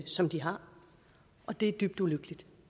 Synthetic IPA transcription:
sɒ̽md̥iɦɑ̈ | ʔɒ̽d̥e̝æd̥yːb̥d̥uløɡ̥əlid̥

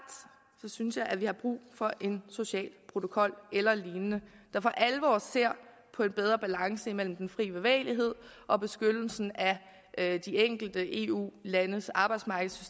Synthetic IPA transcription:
d̥ | sɒ̽synsjɑ̈ɪʔæʋihɑ̈b̥ʁṵːfɒ̽ʔe̝nso̝ɕɛ̰ːlpʰʁo̝t͡sʰo̝kʰɒ̽l̰elɐliːnənəd̥ɑ̈fɒʔæləʋɒ̰ːsse̝ɐ̰ | pʰɒ̽e̝nb̥eð̞ˠʁɐb̥ælɑ̈ŋsəimel̰m̩d̥enfʁḭːb̥e̝ʋɛ̰ːɪliɦe̝ð̰ˠ | ʔɒ̽b̥e̝sɡ̥ød̥l̩sn̩æ | ʔd̥ieŋ̰ɡ̥l̩d̥əʔe̝ːṵːlænəsɑ̈ːb̥ɑ̈ɪd̥smɑ̈ɡ̥əð̩ˠsy̥se

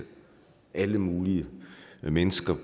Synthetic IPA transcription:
ʔæləmuːliəmenəsɡ̥ɐ

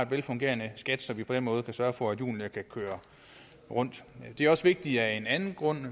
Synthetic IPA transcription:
e̝dʋelfɔ̽ŋɡ̥e̝̰ɐnəsɡ̥æd̥sɒ̽mʋipʰɒ̽d̥en̰mɔ̽ːð̞̩ˠkʰæsɶɐfɒ̽æd̥jṵːniəkʰækʰøːɐ | ʁɔ̽n̰d̥d̥e̝æɐɒ̽sʋe̝ɡ̥̚d̥iæe̝nænn̩ɡ̥ʁɔ̽n̰

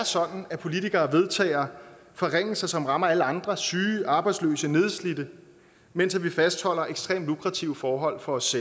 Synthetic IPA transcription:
æɐsɒ̽d̥n̩æpʰo̝lit͡sʰiɡ̥ɐːʋe̝ð̞ˠt͡sʰɛ̰ːɪɐ | fɒ̽ʁeŋ̰sɑ̈ɪsɒ̽mʁɑ̈mɐæləɑ̈nd̥ʁɐsyːʔɑ̈ːb̥ɑ̈ɪdslø̰ːsəne̝ð̞ˠslid̥ə | men̰sæʋifæsd̥hɒ̽l̰ɐʔeɡ̥sd̥ʁḛːmlukʰʁɑ̈t͡sʰiʊəfɒːɦɒ̽l̰fɒ̽ɒ̽sːel

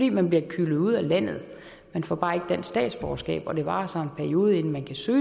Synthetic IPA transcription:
d̥ḭːmænb̥liɐkʰylð̩ˠuð̞̰ˠælæn̰ð̩ˠ | menfɒb̥ɑ̈ːe̝ɡ̥əd̥en̰̥sd̥ɛ̰ːd̥sb̥ɒːsɡ̥ɛ̰ːb̥ɒ̽d̥e̝ʋɑ̈ːsɒ̽e̝npʰæɐio̝ːð̞ˠe̝nn̩mænkʰæsøː

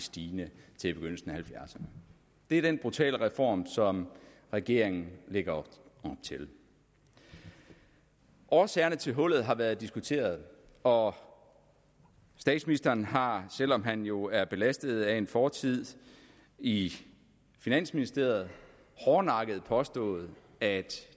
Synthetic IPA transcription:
sd̥iːnət͡sʰe̝b̥e̝ɡ̥øn̰l̩sn̩æhælfjæɐsɐnə | d̥e̝æɐd̥enb̥ʁut͡sʰɛ̰ːləʁɛfɒ̰ːmsɒ̽m | ʁɛɡ̥e̝ɐ̰eŋn̩le̝ɡ̥ɐɒb̥t͡sʰe̝l | ʔɒːsɛːɐnət͡sʰe̝lɦɔ̽l̰ð̩ˠɦɑ̈ʋæːɐð̞̩ˠd̥isɡ̥ut͡sʰe̝̰ːɐð̩ˠ | ɒ̽ | sd̥ɛ̰ːd̥sminisd̥ɐːnɦɑ̈sel̰ɒ̽mɦænjo̝æɐb̥e̝læsd̥ð̩ˠæe̝nfɒːt͡sʰið̞̰ˠ | i | finæn̰sminisd̥e̝̰ːɐð̩ˠ | hɒːnɑ̈ɡ̥əð̞̩ˠpʰɒ̽sd̥ɔ̰̽ːð̩ˠ | æd̥

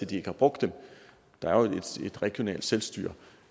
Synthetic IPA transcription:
ed̥ie̝ɡ̥əhɑ̈b̥ʁɔ̽ɡ̥̚d̥ːem | d̥ɑ̈æɐed̥ed̥ʁɛɡ̥jo̝nɛ̰ːld̥selsd̥y̰ːɐ̰

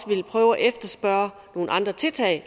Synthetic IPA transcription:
sʋe̝lpʰʁœːʊæʔefd̥ɐsb̥ɶɐ | no̝ːn̩ʔɑ̈nd̥ʁɐt͡sʰe̝t͡sʰɛ̰ɪ

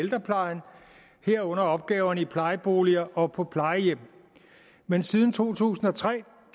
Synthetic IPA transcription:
eld̥ʁɐpʰlɑ̈ɪn̩ | heɐ̰ɔ̽n̰ɐɒ̽b̥̚ɡ̥ɛːʊɐnəipʰlɑ̈ɪəb̥o̝̰ːliɐʔɒ̽pʰɒ̽pʰlɑ̈ɪəjem̰ | mensiðˠn̩t͡sʰo̝̰ːt͡sʰṵːsn̩ɒ̽t͡sʰʁɛ̰ː

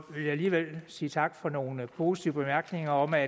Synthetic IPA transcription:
ʋe̝ljäæliːʋel̰siːt͡sʰɑ̈ɡ̥fɒ̽no̝ːnəpʰo̝ːsi̥t͡sʰḭʊəb̥e̝mæɐɡ̥ne̝ŋɐɒ̽mæ

